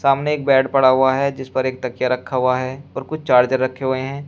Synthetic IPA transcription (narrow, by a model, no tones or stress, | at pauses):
saːmneːk̚bɛːɖpɐɽaɦʊaɦɛd͡ʒɪspɐɾeːk̚t̪ɐkjaɾɐkʰːaɦʊaɦɛɔːɾkʊt͡ʃʰt͡ʃaːɾd͡ʒəɾːɐkʰːeɦʊeɦɛ̃ː